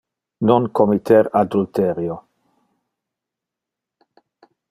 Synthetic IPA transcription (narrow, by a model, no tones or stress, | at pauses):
noŋkomit̪eɾad̪ult̪eɾjo